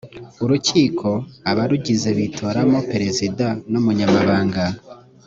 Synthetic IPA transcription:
uɾuciːkʰo̞aβaɾuɟize̞βitʰo̞ɾamo̞peɾe̞zidanumuɲamaβaːŋɡa

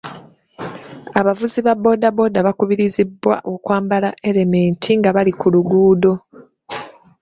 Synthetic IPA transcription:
aβavuziβabo̞ːdabo̞ːdaβakuβiɾizibːwa̰ʔokwaːmbalaʔe̞ɾe̞me̞ːntʰiŋɡaβalikuluɡuːdo̞

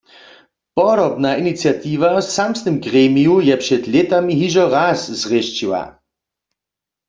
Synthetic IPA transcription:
pɔɾɔbnainit͡sjat̪iːvasamsnɨmɡʁeːmijujɛpʃɛt̪let̪amiɦiʒɔʁaːszʁeʃt͡ʃiwa̰

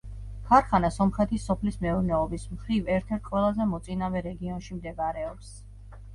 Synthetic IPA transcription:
kʰaɾχanasɔmχɾɛt̪ʰisːɔpʰlismɛuɾnɛɔbismχɾivɛɾt̪ʰɛɾt̪̚ʰqʼwɛlˠazɛmɔt̪sʼinavɛɾɛɡiɔnʃimd̪ɛɡaɾɛɔps

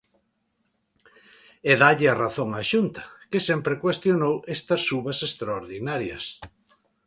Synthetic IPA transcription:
eðaʎɪaraθoŋaʃunt̪ɐ̥kesempɾekwest̪jonowest̪ɐsːuβɐsest̪ɾaoɾðinaɾjɐ̰s

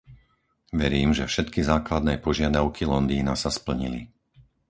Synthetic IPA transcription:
ʋɛɾiːmʒɛfʃɛt̪kizaːklad̪nɛːpɔʒɪad̪aʊkʰilɔnd̪iːnasaspl̩ɲili

